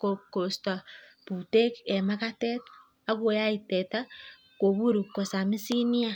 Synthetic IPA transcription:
kokosta˨pu˨te˦ke˨ma˦ka˦te˦tː | ko˦ja˦i˨teta˦ | ko˨βu˦ɾu˨ko˨sa˨mi˦si˦ni˦a˦

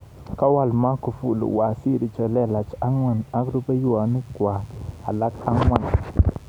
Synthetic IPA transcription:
ka˦wa˦˨lma˦ku˨fṵ˨lṵ˨wa˨si˦ɾi˨t͡ʃɛ˨lɛ˦˨la˨t͡ʃa˦ŋwa˨na˦kɾu˦ba˦ju˦wa˨nu˦kwa˨a̰˨la˦ka˦ŋwa˦˨n

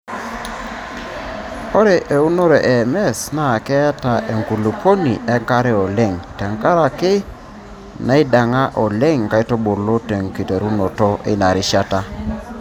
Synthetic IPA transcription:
o˦ɾe˨ʔe˨u˦no˦ɾe˨ʔe˨mɛ˦˨sna˨kɛ˦ta˨ʔe˨ŋɡu˨lu˨ko˦nḭ˨ʔɛ˦ŋka˦ɾɪ˦ɔ˨le˦˨ŋtɛ˨ŋka˦ɾa˨kɪ˦ | na˦i˦da˨ŋa˦ʔɔ˨le˦ŋka˦i˦to˦bo˨lo˦te˨ŋki˨te˨ɾu˦no˨tɔ˦ʔi˦na˨ɾɪ˦ʃa˦ta˦

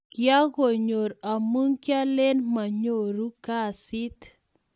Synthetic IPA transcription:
kja˦ɣo˨ɲo˨ɾa˨mu˦ŋkja˦le˦nma˨ɲo˨ɾu˦ka˦˨si˦t̪

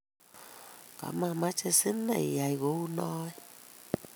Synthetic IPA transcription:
ka̰˨ma˧˨ma˦t͡ʃɛ˧si˦na̰˨i˨ja˨i˨ɣo˨˦u˦nɔ˦ɛ˦

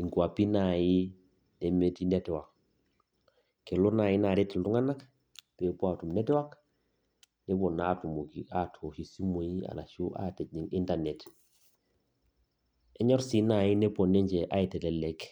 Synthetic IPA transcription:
i˨ŋku˨a˨pi˦na˨ji˦ | ne˨me˦ti˦ne˦tɛ˨wa˨k | ke˨lo˦na˨ji˦na˨ɾi˦tɛ˨ldu˦ŋa˦na˦k | pe˨po˦atu˨mne˦tɛ˦wa˦k | ne˦bɔ˨na˦tu˨mo˨ki˨a˦tʰo˨ʃi˨si˦mo˨ji˦a̰˨la̰˨ʃu˦ʔa̰˦te˨ɲi˨ŋi˦ntane˨t | ɛ˦ɲɔ˦ɾsi˦na˨ji˦ne˦pɔ˨ne˦ɲd͡ʒɛ˨ʔa˦i˨tɛ˨lɛ˨le˨k

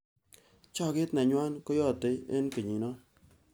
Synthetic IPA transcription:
t͡ʃɔ˦kɪ˦tnɛ˨ɲwa˦nkɔ˦jɔ˦˨tɪ˦ḛ˦nke˨ɲi˨nɔ˦

